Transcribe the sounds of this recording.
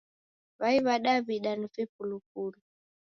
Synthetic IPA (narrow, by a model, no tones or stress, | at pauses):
βaiβaɗaβiɗanifip̚uluk̚ulu